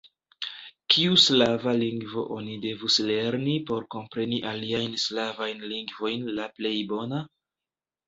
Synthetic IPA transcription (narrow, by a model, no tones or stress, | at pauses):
kʰiuslavaliŋɡvo̞ʔo̞nide̞vusle̞ɾnipo̞ɾko̞mpɾe̞niʔaliajnslavajnliŋɡvo̞jnlaple̞jbo̞na